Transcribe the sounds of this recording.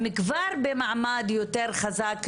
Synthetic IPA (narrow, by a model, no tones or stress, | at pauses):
mɪkvaɾbemaʕmad̪jot̪eɾχazak